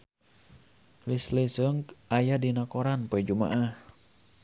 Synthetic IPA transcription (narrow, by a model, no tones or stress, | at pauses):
lislisəŋkʔajadinakoɾanpoɛd͡ʒuma̰ʔah